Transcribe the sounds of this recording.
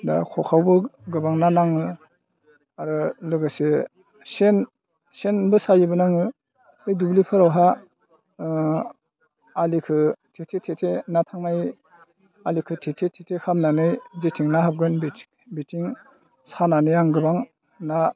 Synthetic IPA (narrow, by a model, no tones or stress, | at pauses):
da̰kʰɔkʰawbɯɡɯbaŋnanaŋɯ | aɾɯlɯɡase | sen | senbɯsajɯbɯnaŋɯ | hɯjdublipʰɯɾawɦa | likʰɯtʰetʰetʰetʰenatʰaŋnaj | alikʰɯtʰetʰetʰetʰekʰamnanɯjzetʰiŋnaɦap̚ɡɯnb | bitʰiŋ | sananɯjaŋɡɯbaŋ | na